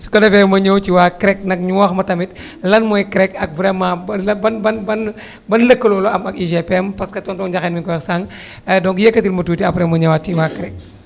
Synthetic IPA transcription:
su̥kɐdɐfɛmɐɲəwt͡ʃiwaːkɾɛk̚nɐk̚ɲuwɔxmɐtɐmit̚ | lɐnmɔjkɾɛkɐk̚vɾɛmãːblɐbɐnbɐnbɐn | bɐnləkːəlɔlɔɐmɐkiʒepɛmpɐskɐtɔntɔŋd͡ʒaxɛːnmikɔɛsaŋ | dɔŋkjekːɐtilmɐtuːtiɐpɾɛmɐɲɐwat͡ʃiwaːkɾɛk̚

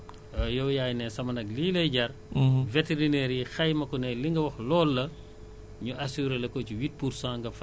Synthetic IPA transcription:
jɔwjaːjnɛsɐmɐnɐkliːlɐjɟɐɾveteɾinɛːɾjixɐjmɐkɔnɛliŋɡɐwɐxlɔːlːɐ | ɲuʔɐsuɾelɐkɔciwit̚puɾsãːŋɡɐf

